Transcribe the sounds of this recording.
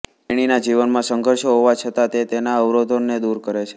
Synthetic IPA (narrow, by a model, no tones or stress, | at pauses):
eɽ̃inad͡ʒiʋənmãsəŋɡʱəɾʃoɦoʋat͡ʃʰət̪at̪et̪enaəʋɾod̪ʱonːed̪uɾkəɾet͡ʃʰe̥